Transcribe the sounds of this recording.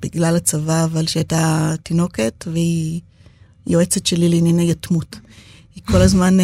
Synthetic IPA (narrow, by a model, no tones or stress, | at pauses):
b̥iɡlalat͡savaːvalʃeajtatino̞ke̞tvehi | joet͡setʃelilinanejatmut | hikʰo̞lazman